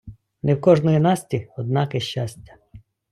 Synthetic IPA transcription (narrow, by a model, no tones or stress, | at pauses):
nɛwkɔʒnɔjinɑsʲtʲiɔd̪̚nɑkɛʃt͡ʃasʲtʲɐ̥